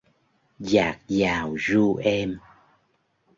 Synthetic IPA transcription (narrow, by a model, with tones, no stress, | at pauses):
zaː˨˩˦k̚zaː˨˩wzu˧ʔɛ˧m